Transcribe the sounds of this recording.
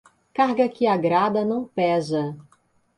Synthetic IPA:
kaɾɡɐkɪaɡɾad̪ɐnɐ̃w̃pɛzɐ

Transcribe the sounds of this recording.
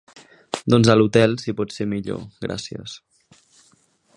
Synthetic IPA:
d̪ɔnzəlut̪ɛlˠsipɔt̪semiʎo̰ɡɾʔa̰siə̰s

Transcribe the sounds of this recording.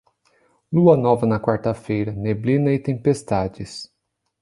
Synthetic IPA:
luɐnɔvɐnɐkwaɾt̪ɐfejɾɐneblĩnɐɪt̪ẽpest̪ad͡ʒɪs

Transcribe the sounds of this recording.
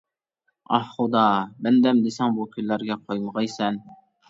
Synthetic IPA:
ɑhχʊd̪ɑbɛnd̪ɛmd̪esɛŋbukʲʰyllæɾɡʲɛqʰojməʁɑjsɛn

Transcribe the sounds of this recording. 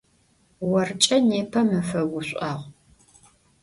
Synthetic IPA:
wɐrt͡ʃʼɐneːpʰɐmɨfɐɡʷʊɕʷʼaːʁʷ

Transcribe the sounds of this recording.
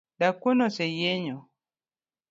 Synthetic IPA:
dakʷonɔsɛjeɲɔ

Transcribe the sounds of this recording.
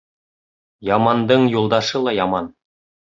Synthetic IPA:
jɑmɑnd̪ɤɴjulˠd̪ɑʃɤlˠɑjɑmɑn

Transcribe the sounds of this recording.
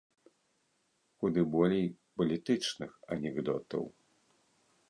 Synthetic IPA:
xud̪ɨbɔlʲej | pɐlʲit̪ɨt͡ʂnɨxɐnʲɛɣd̪ɔ̰t̪ɐ̰w

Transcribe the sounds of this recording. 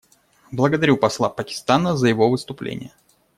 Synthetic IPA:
blˠəɡəd̪ɐɾʲupɐslˠapəkʲɪ̥st̪anəzəjɪvo̞vɨst̪ʊplʲḛnʲɪ̰jə

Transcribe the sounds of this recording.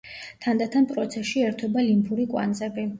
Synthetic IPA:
t̪ʰand̪at̪ʰanpʼɾɔt̪sʰɛsʃiɛɾt̪ʰɔbalimpʰuɾikʼwa̰nd̪zɛbi

